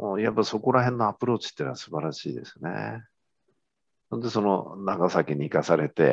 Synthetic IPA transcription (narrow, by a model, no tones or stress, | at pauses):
moːjapːaso̞ko̞ɾaɦẽ̞nːoapɯ̟ɾo̞ːt͡sɨ̥t̪ːiːnasɨ̥baɾaɕḭːd̪e̞sɨne̞̰ | nond̪e̞so̞no̞̰naɡasakʲiɲ̟iːkasaɾe̞t̪e̞̰